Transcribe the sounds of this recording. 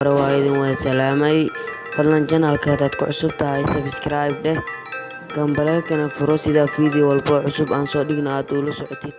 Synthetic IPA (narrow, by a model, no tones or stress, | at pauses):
ɾɛwaːɪðɪnwɑsɐlaːmɛj | fɐd̪lɐnt͡ʃɐnɐlkʰɐd̪aːd̪kʰʊʕʊsʊb̚t̪ʰɐɦɛjsɐbskɾajb̚ɖɛ | ɡɐmbɐlɛlkʰɐnɐfʊɾɔsɪðaːfiːðɪjɔwɐlbɔʕʊsʊbaːnsɔːɗɪɡnɐaːd̪uːlɐsɔʕɔt̪ʰɪd̪̥̚